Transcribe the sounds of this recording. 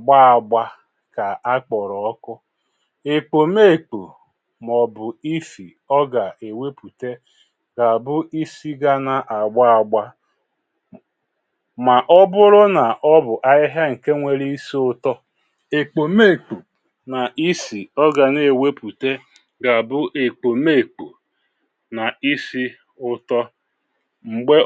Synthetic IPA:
a˨ɡ͡ba˦a˨ɡ͡ba˦ | ka˨a˦k͡pɔ˨ɾɔ˨ɔ˦kʊ˦ | e˨k͡po˨me˦˨k͡po̰˨ | m˨ɔ˨bʊ˨i˦fḭ˨ | ɔ˦ɡa˨e˨we˦pu˨te˦ | ɡa˨bʊ˦i˦si˦ɡa˦na˨ʔa˨ɡ͡ba˦a˨ɡ͡ba˦ | ma˨ʔɔ˦bʊ˦ɾʊ˦na˨ʔɔ˦bʊ˨ʔa˦ɪ˦ɦa˦ŋ̩˨ke˦ŋʷe˨ɾi˦i˦si˦ʊ˦tɔ˦ | e˨k͡po˨me˦˨k͡po˨ | na˨ʔi˦si˨ɔ˦ɡa˨ne˨we˦pu˨te˦ | ɡa˨bʊ˦ʔe˨k͡po˨me˦˨k͡po˨ | na˨i˦si˦ | ʊ˦tɔ˦ | ŋ͡m̩˨ɡ͡be˦

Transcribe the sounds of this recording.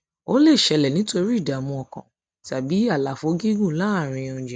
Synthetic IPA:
o˦le˦˨ʃɛ˧lɛ˨nĩ˨˦to˧ɾi˦˨da˨mũ˧ɔ˨kã̰˨ | ta˨bi˨˦a˦˨la˨fo˨˧˦ɡi˦ɡũ˦˨la˦˨ɾ̃ĩ˧ɔ̃˧˨d͡ʒɛ˨

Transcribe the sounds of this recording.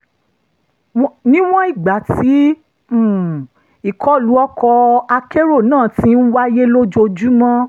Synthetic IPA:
nĩ˦w̃ɔ̃˦i˦˨ɡ͡ba˨ti˨˦˨ | i˦˨kʰɔ˦˨lu˨˦ɔ˦kɔ˧a˧ke˦ɾo˦˨nãː˦˨tĩ˦n̩˦wa˦je˦lo˦d͡ʒo˧d͡ʒu˦mɔ̃˦

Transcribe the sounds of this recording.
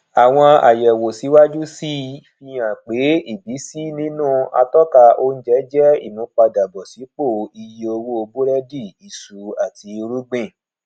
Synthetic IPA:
a˨w̃ɔ̃˧a̰˨jɛ˨wo˨si˨˦wa˦d͡ʒu˦si˦fi˧jã˨k͡pe˨˦i˦˨bi˨˦si˦nĩ˦nũ˦˨a̰˧tɔ˦ka˧o˧n̩˦d͡ʒɛ˦d͡ʒɛ˦ḭ˦˨mũ˨˦k͡pa˧da˨bɔ˨si˨˦k͡po˦˨i˧je˧o˧wu˦o˧bu˦ɾɛ˦di˦˨i˨su˨˦a˦˨ti˧ɾu˦ɡ͡bẽ˦˨

